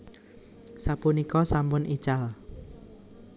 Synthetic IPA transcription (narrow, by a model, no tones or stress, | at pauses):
sapunikɔsampʊnit͡ʃal